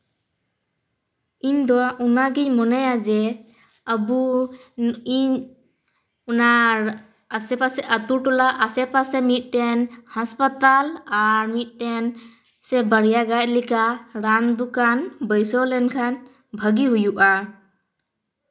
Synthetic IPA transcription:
ind̪ɔʔunaɡiɲmɔnajad͡ʒɛ | əbu | iɲ | unaː | sɛpasɛʔət̪uɾʈɔlaʔasɛpasɛmit̪̚ˀʈɛnhaspət̪alaɾmit̪̚ˀʈɛn | sɛbəɾjaɡaʔ̚likaɾamd̪ukanbəjsɔlɛnkʰan | bʱəɡiɦujuʔa

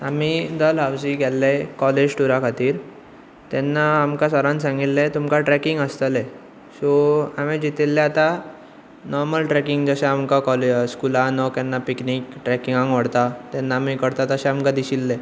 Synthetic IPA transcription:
amid̪əlɦawd͡ʑiɡɛlːekɔled͡ʑʈuɾakʰat̪iːɾ | t̪ɛnːaːmkasəɾãnsãŋɡit̪let̪umkãʈɾɛkiŋɡəst̪əlɛ | soamẽd͡ʑit̪ilːeat̪a | nɔɾməlʈɾɛkiŋɡd͡zəɕɛ̃amkakɔleskulãnɔkɛnːapiknikʈɾɛkiŋɡãŋʋəɽt̪at̪ɛnːaːmikəɽt̪at̪əɕɛ̃amkãd̪iɕilːe

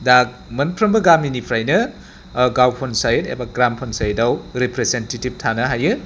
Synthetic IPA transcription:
dak̚mɐnpʰɾɐmbɐɡaminipʰɾajnɐ | ɡawpʰonsajetḛbaɡɾampʰonsajedawɾepɾezentetib̚tʰanɐɦajɯ

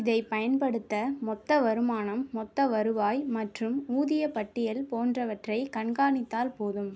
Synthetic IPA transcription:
ɪðɐɪpɐjɐnpɐɽɯt̪ːɐmɔt̪ːɐʋɐɾɯmaːnɐmːɔt̪ːɐʋɐɾɯʋaːjmɐʈrɯmuːðɪjɐpɐʈːɪjɐlpoːndrɐʋɐʈrɐɪkɐɳɡaːɳɪt̪ːaːlpoːðɯm

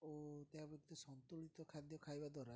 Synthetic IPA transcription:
ot̪eabekit̪ɔsɔnt̪ulit̪ɔkʰad̪jɔkʰajbad̪ɔɾa

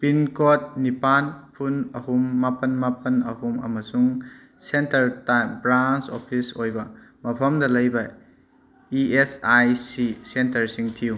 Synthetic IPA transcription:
pinkot̚nipanpʰunɐhumːapɐnmapɐnɐ̰humɐ̰mɐsuŋ | sentɐɾtajmbɾant͡ʃopʰisojbɐmɐpʰɐmdɐlɐjbɐ | iesajsisentɐɾsiŋtʰiu

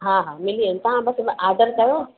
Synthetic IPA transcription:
ɦãːɦãːmɪliənt̪ɐɦãbɐsaːd̪əɾkɐjo

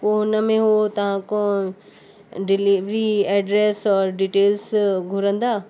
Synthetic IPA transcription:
poʊnəmẽɦoot̪ɐʋ̤ãkõ | ɖɪliʋɾiɛːɖɾeːsɔːɾɖiːʈeːlsɡʱʊɾə̃nd̪aː

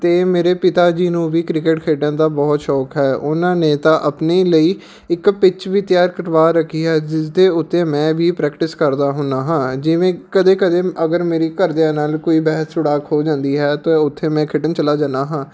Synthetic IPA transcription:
t̪eːmeːɾeːpɪt̪aːd͡ʒiːnũːʋiːkɾɪkeʈkʰeːʈãːd̪aːbɔːt̪ʃɔːkɦɛːʔʊnãːneːt̪ãːʔəpneːləiː | ɪkpɪt͡ʃʋit̪jaːɾkəɾʋaːɾəkʰːiːɦɛːd͡ʒɪsd̪eːʊt̪ːeːmɛ̃ːʋiːpɾɛːkʈɪskəɾd̪aːɦʊnaːɦãːd͡ʒɪʋẽːkəd̪eːkəd̪eːəɡəɾmeːɾiːkəɾd̪eãːnaːlkoːiːbɛːɦəssʊɽaːkɦoːd͡ʒãːnd̪iːɦɛːt̪ãʊt̪ʰːeːmɛ̃ːkʰɪʈənt͡ʃəlaːd͡ʒãːnd̪aːɦãː

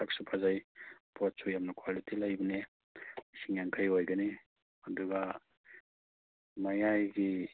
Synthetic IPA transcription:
ak̚supʰazajpɔt̚sujamnɐkʰwalitʰilajbɐne | siŋjaŋkʰajojɡɐni | ɐduɡa | majajɡi

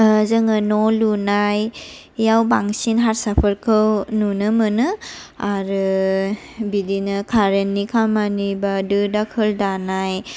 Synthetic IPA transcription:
zɯŋɯnɔlunaj | jawbaŋsinɦaɾsapʰəɾkʰɯwnunɯmɯnɯaɾɯ | bidinɯkʰaɾenːikʰamanibadɯdakʰɯldanaj

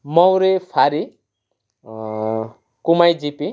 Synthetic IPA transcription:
mɔwɾepʰaɾi | kumajd͡ʒipi

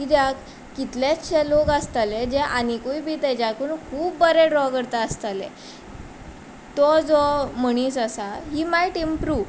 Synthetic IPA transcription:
id̪jak | kːit̪laɕʰɛlokast̪aled͡ʑɛʔanikujbʱit̪ɛd͡ʑjakunkʰuːbːəɾeɖɾɔkəɾt̪aːst̪alɛ̰ | t̪ɔd͡zɔm̤əɽ̃isəsaɦimajʈimpɾuːʋ

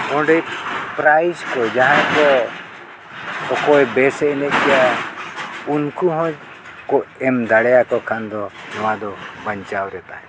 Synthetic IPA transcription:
ɔ̃ɖɛjpɾajskɔd͡ʒaɦãkɔ | ɔkɔɛbɛsɛɛnɛc̪̚ˀkɛja | unkuɦɔ̃d͡ʒ | kɔʔɛmd̪aɽɛjakɔkʰand̪ɔnɔwad̪ɔbəɲt͡ʃawɾɛt̪aɛ

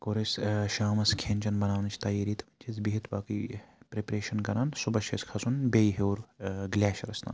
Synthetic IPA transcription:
koɾesʃaːmɐskʰẽːnʲt͡ʃɐnbɐnaːʋnɐt͡ʃʰt̪ɐjiːɾiːt̪ʰt͡ʃisbiɦit̪baːkipɾepɾeːʃɐnkɐɾaːnsubɐʃɐskʰɐsunbejɦewɾɡlʲaːʃɾɐsna̰ːn

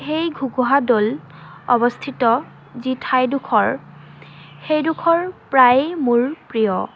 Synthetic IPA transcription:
xejɡʱuɡuɦadol | ɔbɔst̪ʰitɔ | zitʰajdukʰɔɹ | xejdukʰɔɹpɹajmuɹpɹijɔ

